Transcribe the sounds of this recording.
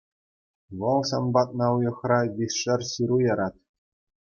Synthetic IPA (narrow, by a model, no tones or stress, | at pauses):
ʋɤ̆lˠɕɑnbɑt̪̚nɑujɤ̆χrɑʋʲiʂɘ̆rʲɕiɾujɑɾɑt̪